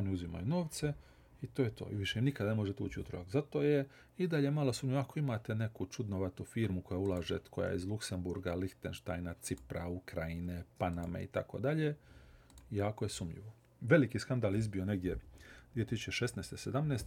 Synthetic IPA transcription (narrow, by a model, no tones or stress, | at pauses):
o̞niuzima̰juno̞ːʋt̪se̞ | it̪ojet̪o̞̰ːiʋiʃeimnikad̪ne̞mo̞ʒet̪eṵːt͡ɕiṵt̪ɾojakzat̪o̞ːje | id̪aʎemalosuːmʎioako̞imaːt̪e̞ne̞kut͡ʃud̪noʋat̪ufiːɾmukojaulˠaːʒḛkoja̰jeizlˠukse̞mbuɾɡalixt̪enʃt̪ajnat̪sipɾaukɾajine̞panamḛḭt̪ako̞̰d̪aʎe̞ | jaːko̞jesumʎḭʋo | ʋe̞likiskand̪aːlizbio̞ne̞ɡd̪jed̪ʋije̞t̪isut͡ɕeʃesneːst̪esed̪amneːst̪e